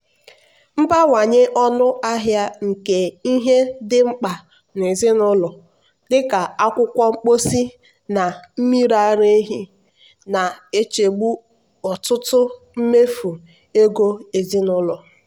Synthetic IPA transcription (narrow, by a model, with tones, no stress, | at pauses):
m̩˦ba˦wa˨ɲɪ˦ʔɔ˦nʊ˦a˦ɦja˦ŋ̩˨ke˨i˦ɦe˦dɪ˦ŋ͡m̩˦k͡pa˨ | ne˨zɪ˦nʊ˦lɔ˨ | dɪ˦ka˨a˦kʷʊ˦kʷɔ˦ŋ͡m̩˦k͡po˦si˦ | na˨m̩˦mi˦ɾa˦ɾe˦ɦi˦ | na˨e˦t͡ʃe˨ɡ͡bu˦ | ɔ˨tʊ˦tʊ˦ | m̩˦me˦fu˨ | e˦ɡo˦e˨zi˦nʊ˦lɔ˨